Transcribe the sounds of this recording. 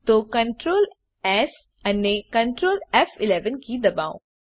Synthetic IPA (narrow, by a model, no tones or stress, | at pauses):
t̪okɐ̃ɳʈɾoːl | ɛs | ɐnːekɐ̃ɳʈɾoːlɛfɪlɛːʋənkid̪ɐba̰ːõ̰